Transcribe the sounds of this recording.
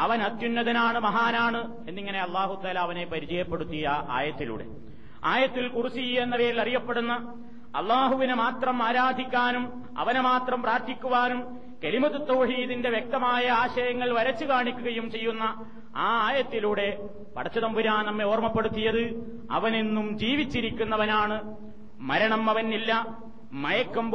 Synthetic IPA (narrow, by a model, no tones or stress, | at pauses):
ɐʋɐnɐt̪junːɐðɐnaːɳɨmɐɦaːnaːɳɨ | e̞nːiŋːɐne̞ɐlˠːaːɦut̪aːlaːʋɐnepɐɾit͡ɕɐjɐpːe̞ɽut̪ːijɐa̰ːjɐt̪ːilṵːɽe̞̰ | a̰ːjɐt̪ːilkurusijenːɐʋe̞ːɾilɐrijɐpːe̞ɽunːɐ | ɐ̰lːaːɦuʋinɨmaːt̪rɐmaːɾaːd̪ʱikʲːaːnum | ɐ̰ʋɐnemaːt̪rɐmpraːɾt̪ʰikʲːuʋaːnum | kelimɐt̪ːɐt̪ːo̞ːɦiːðinde̞ʋjek̚t̪ɐmaːjɐaːɕɐjɐŋːɐɭʋɐɾɐt͡ɕːukaːɳikʲːuɣɐjumt͡ɕe̞jːunːɐ | aːaːjɐt̪ːiluːɽe̞ | pɐ̰ɽɐt͡ɕːɐðɐmbuɾaːnnɐmːe̞o̞ːrmɐpːe̞ɽut̪ːijɐðɨ | ɐ̰ʋɐnenːumd͡ʑiːʋit͡ɕːiɾikʲːunːɐʋɐnaːɳɨ | mɐɾɐɳɐmɐʋɐnːilːɐ | mɐjɐkːɐm